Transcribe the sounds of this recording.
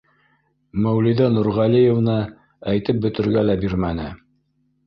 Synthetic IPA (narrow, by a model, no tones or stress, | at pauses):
mæwliðɑnuɾʁɑlijevnɤ | æjt̪ɘp̚bɵ̆t̪ɘ̆ɾɡælæbiɾmæn̪ɘ